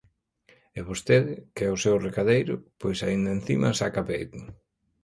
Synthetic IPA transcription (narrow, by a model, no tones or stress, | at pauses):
ɛβost̪eðɪkɛʊsewrekaðejɾʊ̰pojsaind̪ɐen̟θḭmɐ̰sakapejt̪ʊ